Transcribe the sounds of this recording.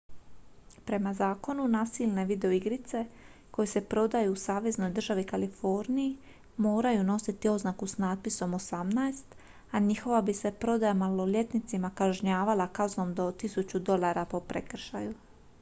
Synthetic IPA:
pɾe̞mazaːko̞nunaːsilne̞ʋid̪e̞oiɡɾit̪se̞ko̞jese̞pɾo̞d̪ajuːsaːʋe̞zno̞jd̪r̩ʒaʋikalifo̞ɾniji | mo̞ːɾajuno̞sit̪io̞znakusnaːt̪̚piso̞mosamnaest̪ | aɲixo̞ʋabise̞pɾo̞d̪ajamalo̞lje̞t̪nit̪simakaʒɲaːʋalˠakazno̞md̪o̞t̪isut͡ɕud̪o̞lˠaːɾapo̞pɾekr̩ʃa̰ju

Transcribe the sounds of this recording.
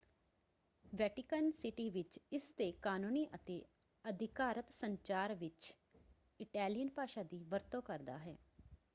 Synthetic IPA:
ʋɛːʈɪkənsɪʈiːʋɪt͡ʃɪst̪eːkaːnuːniːʔət̪eː | əd̪ʱɪkaːɾət̪səɲt͡ʃaːɾʋɪt͡ʃ | ɪʈɛːlijənpaːʃaːd̪iːʋəɾt̪õːkəɾd̪a̰ːɦɛː

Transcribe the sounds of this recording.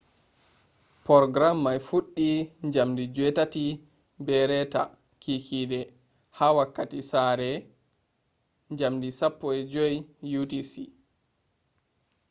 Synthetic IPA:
pɔɾɔɡɾamːajfuɗːiɲd͡ʒamdid͡ʒwɛtati | bɛɾɛta̰ | kikʰiɗɛ | hawakːatisaːɾɛ | ɲd͡ʒamdisapːɔɛd͡ʒɔjjutisi

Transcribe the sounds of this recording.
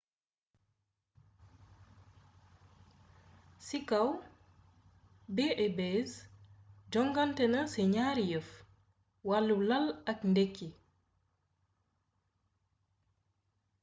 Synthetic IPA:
sikaw | beʔɛbez | d͡ʒɔŋɡantɛnɐsɛɲaːɾijəf | walːulɐlɐkndekːi

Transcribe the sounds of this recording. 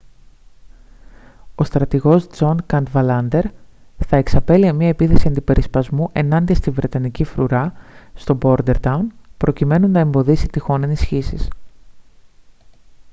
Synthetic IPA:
o̞st̪ɾɐt̪iɣo̞sd͡zo̞nkɐnt̪vɐlɐnd̪e̞ɾθɐeksɐpe̞liɐmɲɐe̞piθe̞siɐnd̪ipe̞ɾispɐzmuʔe̞nɐnd̪iɐst̪ivɾe̞t̪ɐnicifɾuɾɐst̪o̞bo̞ɾd̪e̞ɾt̪ɐunpɾo̞cime̞nunɐe̞mbo̞ðisit̪ixo̞ne̞nisçisis

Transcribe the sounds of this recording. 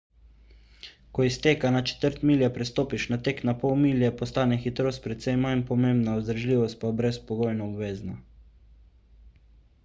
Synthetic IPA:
kɔist̪eːkanat͡ʃɛ̥t̪əɾt̪miːljɛpɾɛst̪oːpiʃnat̪eːknapɔwmiːljɛpɔst̪aːnɛxit̪ɾoːst̪̚pɾɛt̪sɛjmanpɔmẽmbnaɔzd̪ɾʒliːʋɔst̪̚pabɾɛspɔɡoːjnɔɔbʋeːzna

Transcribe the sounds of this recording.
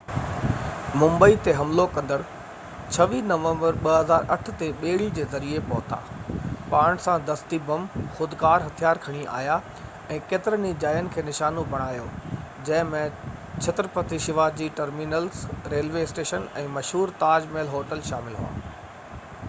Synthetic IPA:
mʊ̃mbəit̪eɦɐmlokɐ̃nd̪əɾ | t͡ɕʰɐʋiːnɐʋə̃mbəɾɓɐɦɐzaːɾʔɐ̰ʈʰʊ̆t̪eɓeːɽ̤id͡ʑeːzɐɾiepɐɦʊt̪a̰ːpaːɽ̃sãd̪ɐst̪ibɐmxʊd̪kaːɾɦɐt̪ʰijaːɾkʰɐɽ̃iʔa̰ːja | ɛ̃ːkeːt̪ɪɾənid͡ʑaːjənɪ̆kʰeːnɪʃaːnobʱɐɽ̃aːjod͡ʑɐ̃ɦɪ̃mẽt͡ɕʰɐt̪ɾpɐt̪iʃɪʋaːd͡ʑiːʈɐɾminəlsɾeːlʋeɪsʈeːʃənɛ̃ːmɐʃɦuːɾt̪aːd͡ʑmeːlɦoːʈəlʃaːmɪlɦṵa̰ː

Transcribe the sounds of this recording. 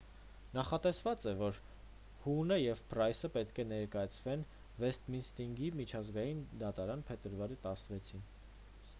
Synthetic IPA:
nɑχɑt̪ɛsvɑt͡sɛvɔɾ | hunəjɛvprɑjsəpɛt̪kʰɛnɛɾkɑjɑt͡sʰvɛn | vɛst̪minst̪iŋɡimit͡ʃʰɑzɡɑjind̪ɑt̪ɑɾɑnpʰɛt̪əɾvɑɾit̪ɑsnvɛt͡sʰin

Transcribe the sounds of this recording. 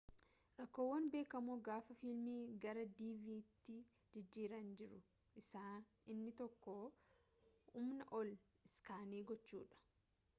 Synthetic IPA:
ɾɐkːo̞ːwːɐnbe̞ːkɐmoːɡaːfɐfɪlmiːɡɐɾɐd̪iːviːt̪ːɪ | d͡ʒɪd͡ʒːiːɾɐnd͡ʒɪɾʊ | ʔɪsaː | ɪnːɪt̪ɔkːoː | hʊmnɐʔɔl | ɪskaːneːɡɔt͡ʃːṵːᶑɐ̥

